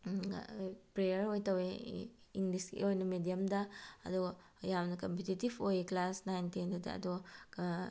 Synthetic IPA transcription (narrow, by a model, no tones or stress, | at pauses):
pɾejɐɾojtɐweiŋliskḛojnɐmedijɐmdɐɐ̰do | jawnɐkompetitibojklasnajntindɐdɐ̰ɐ̰do